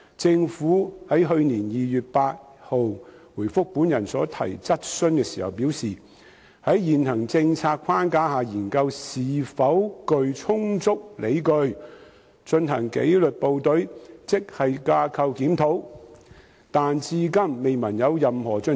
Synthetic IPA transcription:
t͡sɪ˧ŋfuː˨˥hɐ˨˥jɦɵ˧ɥniː˨˩njiː˨jyː˨t̚paː˧t̚ | ho˨wwuː˨˩jfʊ˥k̚pu˨˥njɐ˨˩nsɔː˨˥t̪ʰɐ̰˨˩jt͡sɐ˥t̚sɵ˥nkɛː˧siː˨˩hɐ̰˨˩wpiː˨˥wsiː˨ | hɐ˨˥jjiː˨˩nhɐ˨˩ŋt͡sɪ˧ŋt͡sʰaː˧t̚kʷʰaː˥nkaː˥ɦaː˨jiː˨˩nkɐ˧wsiː˨fɐ˨˥wkɵ˧ɥt͡sʰʊ˥ŋt͡sʊ˥k̚le˨˧jkɵ˧ɥ | t͡ʃɵ˧nɦɐ˨˩ŋkḛ˨˥jlɵ˨t̚po˨˧wt̪ɵ˨˥ɥt͡sɪ˥k̚hɐ˨jkaː˧kʰɐ˧wkiː˨˥mt̪ʰo˨˥w | t̪aː˨nt͡siː˧kɐ˥mːe˨jmɐ˨˩njɐ˨˧wjɐ˨mhɔː˨˩t͡ʃɵ˧n

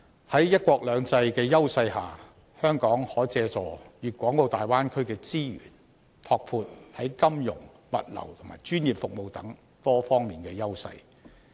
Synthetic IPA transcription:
hɐ˨˥jjɐ˥t̚kʷɔː˧k̚lœː˨˧ŋt͡sɐ˧jkɛː˧jɐ˥wsɐ˧jhaː˨˩ | hœː˥ŋkɔː˨˥ŋhɔː˨˥t͡sɛː˧t͡sɔː˨˩ɥyː˨kʷɔː˨˥ŋko˧wt̪aː˨jwaː˥nkʰɵ˥ɥkɛː˧t͡siː˥ɥy̰ː˨˩n | t̪ʰɔː˧k̚fʰuː˧t̚hɐ˨˥jkɐ˥mjʊ̰˨˩ŋ | mɐ̰˨t̚lɐ̰˨˩wt̪ʰʊ˨˩ŋma̰ː˨˩jt͡ʃyː˥njiː˨˩p̚fʊ˨k̚mo˨wt̪ɐ˨˥ŋ | t̪ɔː˥fɔː˥ŋmiː˨nkɛː˧jɐ˥wsɐ̰˧j

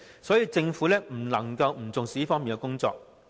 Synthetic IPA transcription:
sɔː˨˥jiː˧t͡sɪ˧ŋfuː˨˥lɛː˥m̩˨˩lɐ˨˩ŋkɐ˧wm̩˨˩t͡sʊ˨ŋsi˨˥˦fɔː˥ŋmi˨nkɛ˧kʊ˥ŋt͡sɔ̰ː˧˨k̚

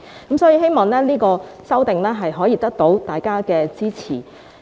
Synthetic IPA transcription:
kɐ˨˥msɔː˨˥jiː˧ɦe˥jmɔː˨ŋlɛː˥niː˥kɔː˧sɐ˥wt̪ɪ˨ŋlɛː˥ɦɐ˨jɦɔː˨˥jiː˨˧t̪ɐ˥k̚t̪o˨˥wt̪aː˨jkaː˥kɛː˧t͡siː˥t͡sʰḭː˨˩

